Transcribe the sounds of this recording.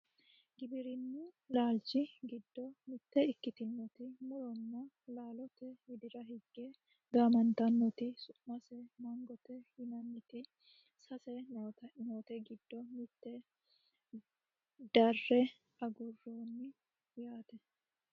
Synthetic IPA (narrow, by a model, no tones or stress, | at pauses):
ɡɪbɪɾɪnːɪlaːlt͡ʃːɪɡɪd̪ːɔmɪt̪ːɛɪkːɪt̪ɪnːɔt̪ɪmɔɾɔnːɐ | laːlɔt̪ɛhɪd̪ɪɾɐɦɪɡːe | ɡaːmɐnt̪ɐnːɔt̪ɪsʊmɐsɛmɐŋɡɔt̪ɛhɪnɐnːɪt̪ɪ | sɐsɛnɐt̪noːt̪ɛɡɪd̪̥ːɔmɪt̪ːɛ | d̪ɐrːɛ | ɐɡʊrːoːnːɪ | jaːt̪ɛ